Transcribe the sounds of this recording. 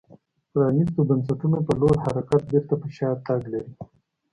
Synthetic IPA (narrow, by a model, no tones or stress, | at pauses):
pɾɑnist̪obans̬aʈunopəloɾhaɾakat̪̚beɾt̪apəʃɑt̪aɡlaɾi